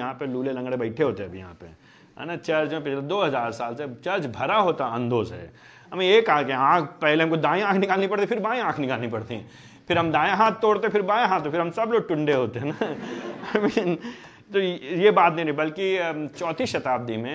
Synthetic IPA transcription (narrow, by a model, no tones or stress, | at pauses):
jɐɦãpeluːlelɐ̃ŋɡɽebɐɪʈʰeɦoːt̪eɐbʱijɐɦã̰ːpe | ɦɛ̰ːnat͡ʃɐɾd͡ʒmẽpɪt͡ʃʰled̪oːɦɐzaːɾsaːlset͡ʃɐɾd͡ʒbʱɐɾaɦoːt̪aɐ̃nd̪oːzɦɛ̰ː | ɦɐmẽeːkaːkẽãːkʰpɛɦleɦɐmkod̪ãːẽãːkʰnɪkaːlnipɐɽt̪ĩfɪɾbaːj̃ãːkʰnɪkaːlnipɐɽt̪iɦɛ̃ː | pʰɪɾɦɐmd̪ãːjãɦaːt̪̚ʰt̪oːɽt̪epɪɾbaːjaɦaːt̪ʰːofɪɾɦɐmsɐbloːɡ̚ʈʊ̃ɳɖeɦoːt̪eɦɛːna | min | t̪ojebaːt̪nɐɦĩnĩbɐlkit͡ʃɔːt̪ʰiʃɐt̪aːb̚d̪imẽ